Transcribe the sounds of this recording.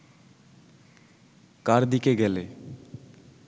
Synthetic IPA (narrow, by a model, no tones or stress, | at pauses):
kaɾd̪ikeɡɛle